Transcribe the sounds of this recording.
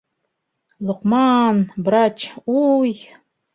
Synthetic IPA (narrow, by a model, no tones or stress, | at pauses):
lʊqʼmanbrat͡ʃʰuj